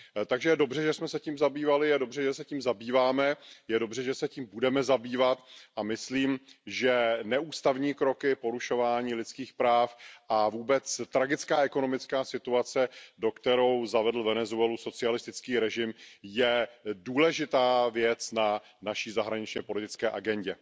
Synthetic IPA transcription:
t̪aɡʒɛjɛdo̞br̝ɛʒɛsmɛsɛciːmzabiːvalɪjɛdo̞br̝ɛʒɛsɛciːmzabiːvaːmɛjɛdo̞brɛʒɛsɛciːmbudɛmɛzabiːvat̪ʔamɪsliːmʒɛnɛʔuːst̪avɲiːkɾo̞kɪpo̞ɾuʃo̞vaːɲiːlɪt͡skiːxpɾaːfʔavuːbɛt͡st̪ɾaɡɪt͡skaːʔɛko̞no̞mɪt͡skaːsɪt̪uat͡sɛdo̞kt̪ɛɾo̞wzavɛdl̩vɛnɛzuɛluso̞t͡sɪalɪst̪ɪt͡skiːɾɛʒɪmjɛduːlɛʒɪt̪aːvjɛt͡sna | naʃiːzaɦɾaɲɪt͡ʃɲɛpo̞lɪt̪ɪt͡skɛːʔa̰ɡɛɲɟɛ

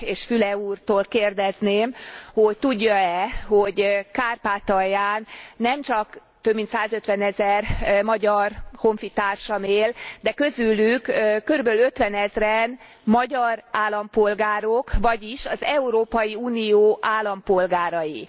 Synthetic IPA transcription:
eːʃfylɛuːrt̪oːlkeːrd̪ɛzneːmho̞ct̪uɟːɒɛho̞ɟkaːrpaːt̪ɒjaːnːɛmt͡ʃɒk | t̪øbmint̪saːzøt̪ʋɛnɛzɛrmɒɟɒrho̞ɱfit̪aːrʃɒmeːld̪ɛkø̞zylykːkːøɾybølø̞t̪ʋɛnɛzrɛn | mɒɟɒraːlːɒmpo̞lɡaːɾokʋɒɟiʃɒzɛuɾoːpɒjiuːnijoːʔaːlːɒmpo̞lɡaːɾɒji

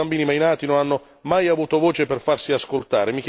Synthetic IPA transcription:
ambiːnimajnaːt̪inonanːo | majavuːt̪ovoːt͡ʃeperfarsiaskolt̪aːɾemik

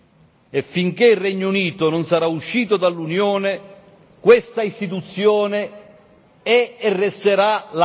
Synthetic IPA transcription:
efːiŋkeilrːɛɲːouniːt̪onʊnsaɾauʃːiːt̪od̪alːunjɔːnɪ | kwest̪aist̪it̪ut̪sːjɔːne | ɛːrːɛst̪eɾala

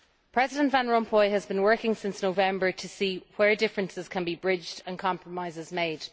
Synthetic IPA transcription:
pʰɹ̥ɛzɪdə̃nʔvãnɹɔ̃mpʰɔɪəzbĩnwɜ˞kɪ̃ŋsɪ̃nsnoʊvɛ̃mbə˞tʰəsiːwə˞dɪfɹə̃nsɪz̥kʰə̃nbibɹɪd͡ʒdə̃nkʰɑ̃mpʰɹəmaɪzɪzmeɪd̥

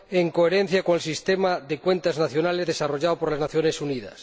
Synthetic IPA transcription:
eŋkoeɾen̟θjakoŋelsist̪emaðekwent̪aznaθjo̞nalezðesaroʝaopoɾlaznaθjonesunið̞a̰s

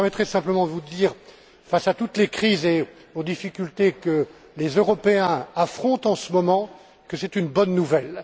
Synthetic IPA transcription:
ʁmɛt̪χɛsɛ̃pləmɑ̃d̪əvud̪iːʁ | fasat̪ut̪lekχize | od̪ifikʲylt̪ekə | lezøʁɔpeɛ̃afχɔ̃t̪ɑ̃səmɔmɑ̃ | kəsɛt̪ynbɔnːuvɛl

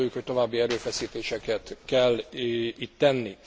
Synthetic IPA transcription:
oːjːukho̞c̚t̪o̞vaːbːiɛɾøːfɛsiːt̪eːʃɛkɛt̪kɛlːit̪ːɛnːi

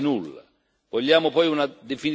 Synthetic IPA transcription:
nulːa̰ | vɔʎːaːmʊpɔjunad̪efini

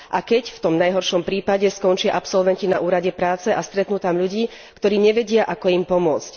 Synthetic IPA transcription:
ʔakɛcft̪ɔmnajɦɔɾʃɔmpɾiːpaɟɛskɔnt͡ʃɪaʔapsɔlʋɛncinaʔuːɾaɟɛpɾaːt͡sɛʔast̪ɾɛt̪nut̪amʎuɟiː | kt̪ɔɾiːɲɛʋɛɟɪaʔakɔimpɔmʊɔt͡sc

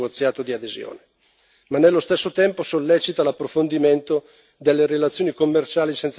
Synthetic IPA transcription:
ɡot̪sːjaːt̪od̪iad̪ezjo̰ːne | manːelːost̪esːot̪ɛmposolːɛːt͡ʃit̪alapːɾofond̪iment̪o | d̪elːeɾelat̪sjoːnikomːert͡ʃaːlisɛnt̪s

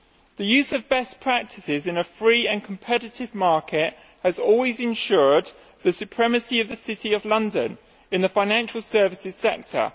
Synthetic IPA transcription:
ðəjʉːzəvbɛspʰɹ̥ak̚tʰɪsɪzɪ̃nəfɹiːə̃nkʰə̃mpʰɛɾɪtɪvmɑˑkʰɪt | həzɔːlˠwɪzɪ̃nʃɔːd̪̚ | ðəsʉpʰɹ̥ɛməsiəvðəsɪtʰiəvlʌ̃ndə̰̃n | ɪ̃nðəfãɪ̃nãnʃəlˠsɜːvɪsɪz̥sɛk̚tʰə̰

